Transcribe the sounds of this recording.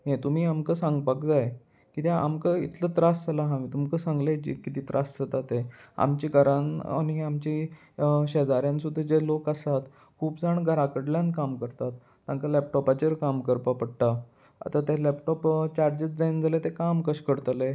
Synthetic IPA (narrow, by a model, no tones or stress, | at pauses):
ɦẽt̪um̤iːamkəsãŋɡpakd͡zaj | kit̪ea̰mkəḭt̪ʰlət̪ɾastalaɦamiːt̪umkəsãŋɡled͡ʑḭkːit̪iːt̪ɾʔasd͡zət̪at̪ea̰mt͡ɕiɡʱəɾãna̰ñiamt͡ɕi | ɕed͡zaɾjãnsud̪ʱːed͡ʑelokasat̪ | kʰuːpd͡zaɳɡʱəɾakəɽljãnkamkəɾt̪at̪ːãŋkalɛpʈɔpat͡ɕəɾkamkəɾpapəɽʈa | a̰t̪at̪elɛpʈɔpt͡ɕaɾd͡ʑət͡sd͡zaind͡zalet̪ekamkəɕkəɽt̪le